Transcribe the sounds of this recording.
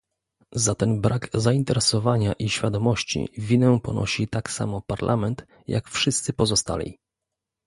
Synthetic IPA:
zat̪ɛnbɾaɡzaint̪ɛɾɛsɔvaɲaʔiɕfʲjad̪ɔmɔɕt͡ɕḭvʲinɛpɔ̰nɔ̰ɕit̪aksa̰mɔpaɾlʔamɛnt̪ | ja̰kfʂɘst̪sɘpɔzɔst̪a̰lʲḭ

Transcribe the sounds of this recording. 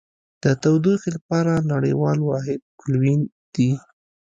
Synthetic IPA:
d̪̥ət̪awd̪uxilapɑɾanaɽə̰jwɑlwɑɦɪd̪̚kʊlwin | d̪̥i

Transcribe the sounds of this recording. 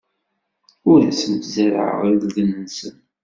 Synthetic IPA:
ʊɾæsəmt̪zəɾə̰ɾððənːənsən

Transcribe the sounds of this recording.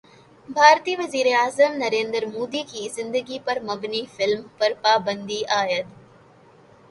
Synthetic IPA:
bʱaːɾt̪ijɐʋɐziːɾejaːzɐmnɐɾeːnd̪ɾmoːd̪iːkizɪnd̪ɐɡipɐɾmɐɡnifɪlmpɐɾpaːbɐnd̪iʔaːjɐt̪

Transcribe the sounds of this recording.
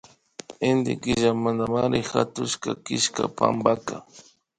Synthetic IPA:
end̪ɪkɪʒamand̪amaɾɪxat̪ʊʃkakɪʃkapambaka

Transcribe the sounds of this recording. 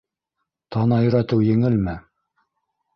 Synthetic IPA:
t̪ʰɑnɑjɵ̆ɾæt̪ɘwjɘ̆ŋɘlmɘ

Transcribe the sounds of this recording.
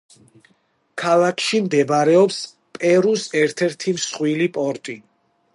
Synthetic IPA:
kʰalˠakʰʃimd̪ɛbaɾɛɔps | pʼɛɾusɛɾt̪ʰɛɾt̪ʰimsχwilipʼɔɾt̪ʼi

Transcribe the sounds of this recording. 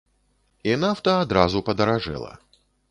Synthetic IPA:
inawt̪ɐːd̪ɾazupɐd̪ɐɾaʐɛ̰lˠɐ̰

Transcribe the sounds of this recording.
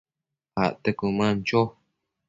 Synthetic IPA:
ha̰ʔt̪ekumãnt͡ʃo

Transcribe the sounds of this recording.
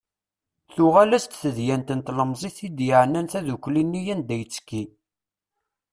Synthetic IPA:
θʊʁælæst̪θəðjænt̪ənt̪ləmzˤiθid̪jəʕnːænθæðukʷːlinːijænd̪æjət͡sːkːi

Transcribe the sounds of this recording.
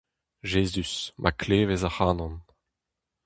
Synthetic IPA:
ʒeːzysmʔa̰kleːvezahaːnɔ̃n

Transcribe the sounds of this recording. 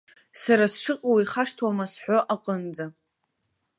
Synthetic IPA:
saɾasʂɨqʼowiχaʂtʰwamasħʷᶣoʔaqʼənd͡za

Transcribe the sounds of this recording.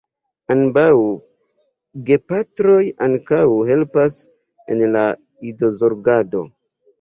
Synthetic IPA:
anbaw | ɡe̞patɾo̞jaŋkawɦe̞lpas | ḛnla | ido̞zo̞ɾɡado̞̰

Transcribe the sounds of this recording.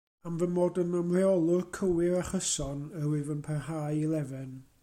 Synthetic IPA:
amvənmoːdənəmrɛɔlˠʊrkʰəwɪɾaχəsɔnəwɨvənpʰɛrhaːjilˠɛvɛn

